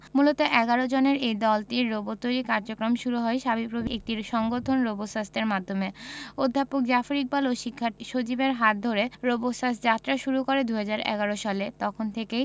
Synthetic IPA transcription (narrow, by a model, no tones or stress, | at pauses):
mulot̪oʔɛɡaɾod͡ʑoneɾejd̪ɔlʈiɾːobot̪ːojɾikaɾd͡ʑokɾomʃuɾuɦɔeʃabipɾobʱiek̚ʈiɾʃɔŋɡot̪ʰonɾobosast̪eɾmad̪ʱːomeod̪ʱːapok̚d͡ʑafoɾik̚baloʃikʰːaʃot͡ɕibeɾɦat̪̚d̪ʱoɾeɾobosasd͡ʑat̪ːɾaʃuɾukoɾed̪uɦad͡ʑaɾɛ̰ɡaɾoʃalet̪ɔkʰont̪ʰekej